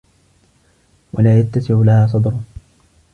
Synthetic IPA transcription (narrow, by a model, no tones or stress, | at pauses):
wʔa̰laːjat̪ːasɪʕʊlahaːs̬ˤɑd̪ˤɾʊ